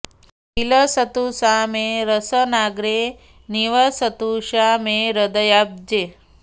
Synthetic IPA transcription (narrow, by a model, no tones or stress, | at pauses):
ɦiləsɐt̪usaːmeɾəsənaːɡɾe | niʋɐsɐt̪uʃaːmeɾəd̪ɐjab̚d͡ʒe